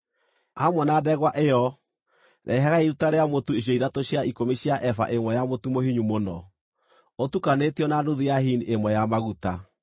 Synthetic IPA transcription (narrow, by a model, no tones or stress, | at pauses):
amwɛnaːdɛɣwaʔejɔ | ɾʔɛɦɛɣaiɾutaɾeamotuiɕ̬jɔiɾatoɕaikomeɕiaʔɛfa̰ʔemwɛjamotumohiɲumonɔ | otukanetiɔnaduðiaɦiniʔemwɛjamaɣuta